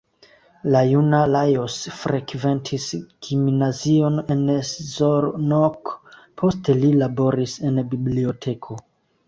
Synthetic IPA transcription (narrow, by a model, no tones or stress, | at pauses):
lajunalajosfɾʔekve̞ntʰisɡ̥imnazio̞neneszoɾnok | pʰo̞ste̞lilabo̞ɾise̞nbiblio̞tʰe̞kʰo